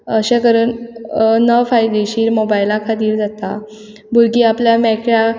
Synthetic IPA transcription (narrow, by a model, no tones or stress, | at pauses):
əɕẽkəɾənnəfajd̪eɕiːɾmobajlakʰat̪iːɾd͡zat̪a | buɾɡiapljamɛkja